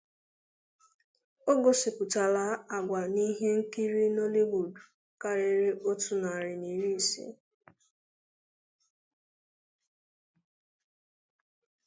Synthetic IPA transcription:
o˦ɡo˨sɪ˨pʊ˨ta˨la˦a˨ɡʷa˨ni˦ɦe˦ŋ̩˦ki˦ɾi˦no˦le˦ɡu˨du˨ | ka˦ɾe˦ɾe˦ʔo˦tu˨na˨a˨ɾɪ˨ni˨ɾi˦˨sḭ˦

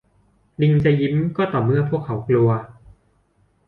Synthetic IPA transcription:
li˧ŋt͡ɕa˧ji˦˥mkɔː˥˩t̪ɔː˨˩mɯ˥˩ɐpʰu˥˩əkʰːa˩˦wklu˧ɐ

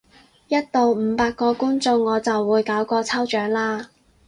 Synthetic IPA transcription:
jɐ˥t̚t̪o˨wm̩˨˧paː˧kːɔː˧kuː˥nt͡sʊ˧ŋːɔː˨˧t͡sɐ˨wːuː˨˧jkaː˨˥wkɔː˧t͡sʰɐ˥wt͡ʃœː˨˥ŋlaː˧˥

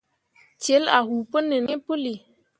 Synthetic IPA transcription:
t͡ʃe˨˦la̰˨ɦu˨pə˦nə˨ni˦pə˦li˨

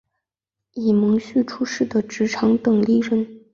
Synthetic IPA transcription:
i˨˩mɤ˧˥ŋɕy˥˩ʈ͡ʂʰu˥ʂɻ̩˥˩d̪ə˩ʈ͡ʂɻ̩˧˥ʈ͡ʂʰɑ˧˥ŋt̪ɤ˨˩ŋli˥˩ɻə˧˥n

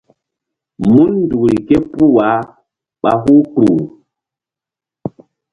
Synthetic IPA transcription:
mu˦nndu˨ɾi˨ke˦pu˦wa˨˦ | ɓa̰˨ɦu˦kɾu˨

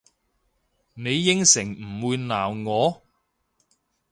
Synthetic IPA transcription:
ne˨˧jːɪ˥ŋsɪ˨˩ŋm̩˨˩wuː˨˧jnaː˨˩wŋɔː˨˧

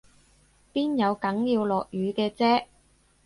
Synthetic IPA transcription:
piː˥njɐ˨˧wkɐ˨˥ŋjiː˧wlɔː˨˩k̚jyː˨˧kɛː˧t͡sɛː˥

